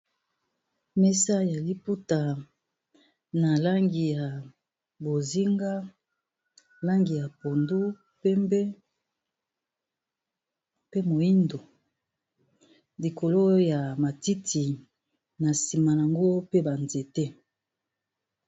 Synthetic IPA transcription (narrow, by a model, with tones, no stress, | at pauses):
mɛ˦sa˦ja˨li˦pu˦ta˨ | na˨la˦ŋɡi˨ja˨ | bo˨zi˦ŋɡa˦ | la˦ŋɡi˨ja˨po˨ndu˦ | pɛ˦mbe˦ | pe˦mo˨i˦ndo˨ | li˨ko˨lo˦ja˨ma˨ti˦tʰi˨ | na˨si˨ma˨na˨ŋɡo˦pe˦ba˨nze˨te˦